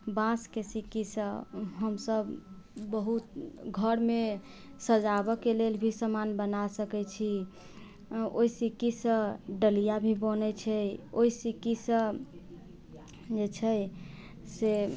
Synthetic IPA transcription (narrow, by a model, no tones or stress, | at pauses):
bãskesikisə̃ɦəmsəb | bəɦut̪ɡʱəɾme | səd͡ʒabɔkelelbʱisəmanbənasəkɛt͡ʃʰi | oisikisə̃ɖəlijabʱibənɛt͡ʃʰɛoisikisə̃ | d͡ʒet͡ʃʰɛj | se